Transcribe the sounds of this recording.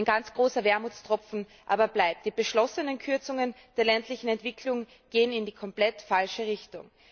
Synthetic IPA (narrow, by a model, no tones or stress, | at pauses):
ɪnɡant͡sɡ̥ʁoːsɐvɛɐmut͡stʁ̥ɔp͡fn̩ | ʔa̰ːbɐblaɪp̚td̥iːbəʃlɔsənənkʰʏɐt͡sʊŋən | d̥eːɐlɛntlɪçn̩ɛntv̥ɪkʰlʊŋ | ɡ̥eːənɪndiːkʰɔmplɛtfalʃəʁɪçtʊ̰ŋ